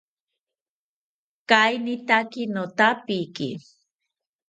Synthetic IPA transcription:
kajnɪt̪akɪnot̪apikḭ

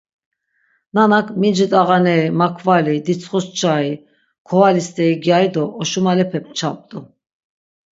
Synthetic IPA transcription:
nanakʰmind͡ʒit̪ʼaɣanɛimakʰvalid̪it͡sʰχɔst͡ʃʰʼai | kʰɔalist̪ʼɛiɡjaid̪ɔːʃumalɛpʰɛp̚t͡ʃʰapʼt̪ʼu

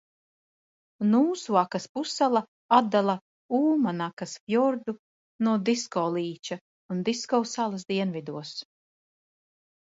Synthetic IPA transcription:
nuːsuakaspusalˠa | ad̪ːalˠa | uːmanakasfjɔɾd̪u | nuɔd̪iskɔːlˠiːt͡ʃa | und̪iskɔwsalˠɐs̬d̪iɛnvid̪uɔs

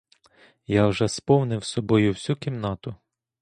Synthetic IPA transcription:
jɑwʒɛspɔwnɪwsɔbɔjʊwsʲukʲimnɑt̪ʊ

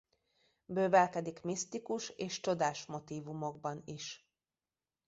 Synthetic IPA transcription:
bøːvɛlkɛd̪ikmist̪ikuʃeːʃt͡ʃod̪aːʃmo̞t̪iːvumo̞ɡ̚bɒniʃ

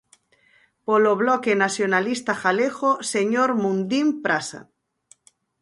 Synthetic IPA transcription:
poloβlɔkenasjonalist̪axaleɣoseɲoɾmũnd̪impɾasa̰

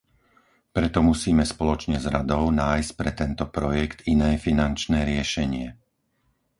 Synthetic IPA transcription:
pɾɛt̪ɔmusiːmɛspɔlɔt͡ʃɲɛzɾad̪ɔʊnaːjsc̚pɾɛt̪ɛnt̪ɔpɾɔjɛkt̪inɛːfinant͡ʃnɛːɾɪɛʃɛɲɪɛ

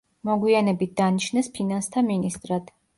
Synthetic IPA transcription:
mɔɡwianɛbit̪̚d̪anit͡ʃʰnɛspʰinanst̪ʰaminist̪ʼɾad̪̥

